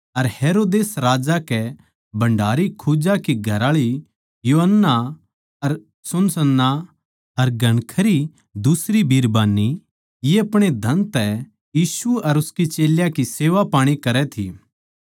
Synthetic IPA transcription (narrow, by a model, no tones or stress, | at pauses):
ɐɾheːɾoːd̪eːsɾaːd͡ʒakɛ | bɐ̃ɳɖaːɾikʰud͡ʒakiɡʱɐɾaːɭi | juːɦənːa | ɐɾ | sʊnsənːa | ɐɾɡɐɽ̃kʰəɾi | d̪usɾibʱiːɾbaːnːi | jeɐpɽ̃ed̪ʱɐ̃nt̪ɛ | jiːsuɐɾʊskit͡ʃeːljakiseːʋapaːɽ̃ikɐɾɛt̪ʰḭː